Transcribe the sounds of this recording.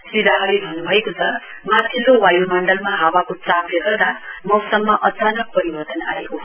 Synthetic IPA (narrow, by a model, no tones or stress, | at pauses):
sid̪aɦʌɾebʱʌnːubʱʌekot͡sʰʌ | mat̪ʰilowajumʌɳɖʌlmaɦawakot͡sabeɾʌd̪amʌksʌmːaʔʌd͡zanʌk̚pʌɾibʌrt̪ʌna̰eko